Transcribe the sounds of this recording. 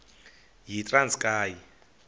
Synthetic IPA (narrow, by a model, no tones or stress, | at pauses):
ɦitʼranskʼaːji